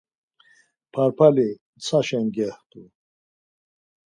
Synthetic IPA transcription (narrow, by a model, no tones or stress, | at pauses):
pʰaɾpʰali | t͡sʰaʃɛŋɡɛht̪ʼu